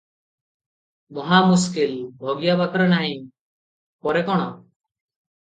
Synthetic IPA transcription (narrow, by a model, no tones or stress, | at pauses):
mɔɦamuskilbʱɔɡijabat̪ɔɾenaɦĩ | pɔɾekɔɽ̃ɔ